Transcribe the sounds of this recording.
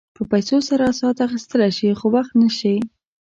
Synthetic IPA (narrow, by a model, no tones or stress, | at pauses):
pəpajsosaɾaːsɑt̪axist̪əlajʃixowaxt̪naʃi